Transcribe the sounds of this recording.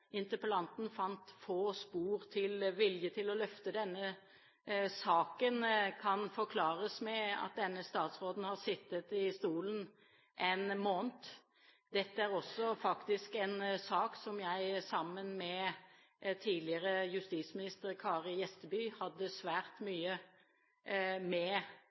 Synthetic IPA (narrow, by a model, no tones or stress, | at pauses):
ɪnt̪əpəlɑnt̪n̩fɑnt̪foːspuːɾt̪ʰɪlʋɪljət̪ʰɪlɔlœft̪əd̪ɛnːə | sɑːkənkʰɑnfɔɾkʰlɑːɾəsmɛɑ̰t̪̚d̪ɛnːəst̪ɑːt̪sʁoːd̪n̩hɑʁsɪt̪ːət̪ɪst̪uːlən | ʔɛnmoːnt̪ | d̪ɛt̪ːəæɾɔsːɔfɑkt̪ɪskɛnsɑːksɔmjæɪsɑmːənmɛ | t̪ʰiːd̪lɪəɾəjʉst̪ismɪnɪst̪əɾkʰɑːʁjɛst̪əbyːhɑd̪ːəsʋæːɾt̪myːə | mɛ